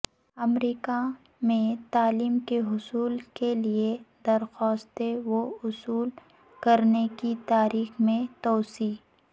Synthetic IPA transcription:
ɐmɾiːka | mẽt̪aːliːmkeɦʊsuːlkelied̪ɐɾxɔːst̪eʋoʊsuːl | kɐɾnekit̪aːɾiːxmẽt̪ɔːsiː

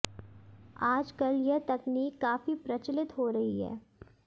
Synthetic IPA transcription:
aːd͡ʒkɐljɐɦt̪ɐkniːkːaːfipɾɐt͡ʃlɪt̪ɦoːɾɐɦiɦɛ̰ː

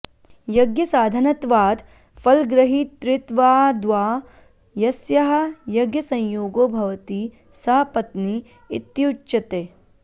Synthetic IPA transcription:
jɐɡjɐsaːd̪ʱɐnɐt̪ʋaːd̪ | pʰɐlɡɾɐɦit̪ɾɪt̪ʋaːd̪ʋaː | jɐsjɐɦɐ̆jɐɡjɐsɐ̃jjoːɡoːbʱɐʋɐt̪i | sɐɦpɐt̪ni | ḭt̪juut͡ʃːʃɐt̪eː

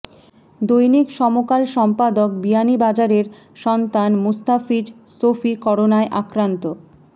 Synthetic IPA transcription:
d̪ojnikʃɔmokalʃɔmpad̪ok̚bianibad͡ʑaɾeɾ | ʃɔnt̪anmust̪afid͡ʑsofikɔɽonaeʔakɾant̪o

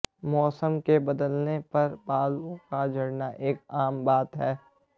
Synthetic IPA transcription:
mɔːsəmkebɐd̪əlnepɐɾbaːlkad͡ʒʱɐɽnaʔeːkaːmbaːt̪ɦɛː

